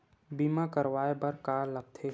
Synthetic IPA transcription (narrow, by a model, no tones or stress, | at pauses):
bimakəɾʋaːebɐɾkaːɾləɡ̚t̪ʰe